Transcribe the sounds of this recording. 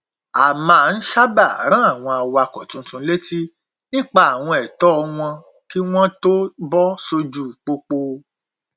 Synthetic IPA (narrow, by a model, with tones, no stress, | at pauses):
a˨mãː˨˦˨n̩˦ʃa˦ba˦˨ɾ̃ã˦a˦˨w̃ɔ̃˧a˨wa˧˨kɔ˨tũ˧˦tũ˧˦le˦ti˦ | nĩ˦k͡pa˦a˨w̃ɔ̃˧ɛ˨tɔ˦˧w̃ɔ̃˧ | ki˦w̃ɔ̃˦to˦bɔ˦so˧d͡ʒu˦˨k͡po˧k͡po˧